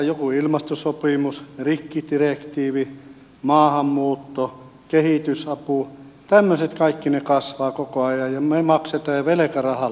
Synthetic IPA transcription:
jokuilmɑst̪osopimusrikːit̪irekt̪iːʋi | mɑːhɑmːuːt̪ːo | kehit̪ysɑput̪æmːøset̪kɑˑikːinekɑsʋɑːkokoɑjɑjjɑmemɑkset̪ɑːɑʋelĕkærɑhɑ

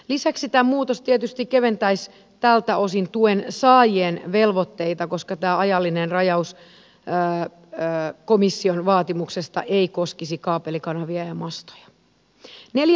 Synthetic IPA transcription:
lisæksit̪æːmuːt̪ost̪iet̪yst̪ikkːeʋent̪æis | t̪ælt̪æo̞sint̪uensɑːjienʋelʋot̪ːeit̪ɑko̞skɑt̪æːɑjɑlːinenrɑjɑus | komisːionʋɑːt̪imuksest̪ɑ̰ʔeikoskisikɑːpelikɑnɑʋiæjɑmɑst̪o̥jɑ̥ | nelj

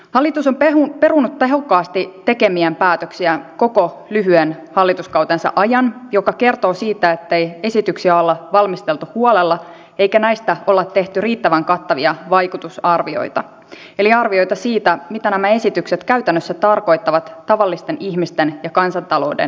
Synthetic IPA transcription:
hɑlːit̪usompeupe̞runːut̪ːe̞ɦo̞kːɑːst̪itt̪ːe̞ke̞miæmpæːt̪øksiæko̞ko̞ | lyɦyenhɑlːit̪uskɑwt̪ensɑ̰ʔɑjɑnjo̞kɑke̞rt̪o̞ːsiːt̪æet̪ːe̞je̞sit̪yksiæo̞lːɑʋɑlmist̪e̞lt̪uhuolelːɑ | e̞jkænæjst̪æo̞lːɑt̪ːe̞ht̪yriːt̪ːæʋæŋkɑt̪ːɑʋiɑʋɑjkut̪usɑrʋio̞̰jt̪ɑ | e̞liɑrʋio̞jt̪ɑsiːt̪æmit̪ænæmæe̞sit̪ykse̞t̪kæyt̪ænːøsːæt̪ɑrko̞jt̪ːɑʋɑt̪ːɑʋɑlːist̪eniçmist̪enjɑkɑnsɑnt̪ɑlo̞̰udḛn

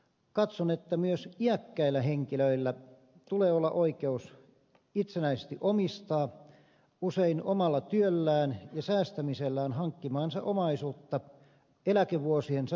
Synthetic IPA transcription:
kɑt̪sonet̪ːæmyøsiækːæilːæheŋkiløilːæ | t̪uleːolːɑʔoikeus | it̪senæisest̪iʔomist̪ɑː | useinomɑlːɑt̪yølːæːnjɑsæːst̪æmiselːæːnhɑŋkːimɑːnsɑ̰ʔomɑisuːt̪ːɑ | elækeʋuosiensɑ

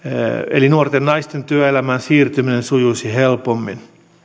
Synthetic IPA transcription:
ḛlinuort̪ennɑist̪ent̪yæelæmænsiːrt̪yminensujusihelpomːin

